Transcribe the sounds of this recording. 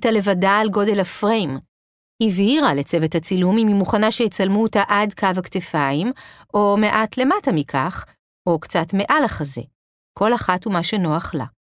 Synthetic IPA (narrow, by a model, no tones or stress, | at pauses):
tale̞vadaːlɡo̞de̞lafʁejm | hiviʁale̞t͡se̞vethat͡silumimimuχanaʃejet͡salmuotaʔadkavaktefaimʔo̞me̞ʔatle̞matamikʰaχ | o̞kt͡satme̞ʔalaχaze̞̰ | kʰo̞laχatumaʃe̞no̞aχla̰